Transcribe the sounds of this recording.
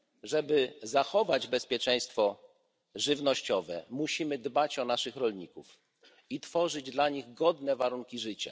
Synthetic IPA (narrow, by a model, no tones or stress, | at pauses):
ʐɛbɘzaxɔvad͡ʑbɛspʲjɛt͡ʂɛj̃st̪fɔ | ʐɘvnɔɕt͡ɕɔvɛ̰muɕimɘd̪bat͡ɕɔnaʂɘxɾɔlɲikuf | it̪fɔʐɘd͡ʑd̪laɲiɣɡɔd̪nɛvaɾuŋkʲiʐɘt͡ɕa̰